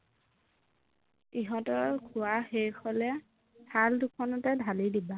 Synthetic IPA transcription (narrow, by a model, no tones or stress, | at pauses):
iɦɔtɔkʰʊaxejkʰɔlɛ | dʰaldukʰɔnɔtɛdʱalidiba